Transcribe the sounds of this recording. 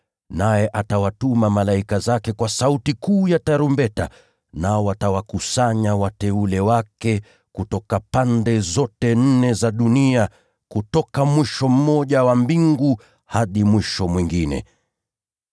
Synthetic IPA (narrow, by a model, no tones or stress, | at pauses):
najɛʔatawatumamalaikazakɛkwasautikuːjataɾumbɛta̰ | naɔatawakusaɲawatɛulɛwakɛ | kutɔkapandɛzɔtɛn̩nɛzaɗunia | kutɔkamwiʃɔm̩mɔʄawambiŋɡu | haɗimwiʃɔmwiŋɡinɛ̰